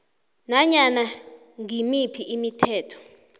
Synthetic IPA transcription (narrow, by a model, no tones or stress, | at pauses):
naɲana | ŋimipʰiʔimitʰɛːtʰɔ̥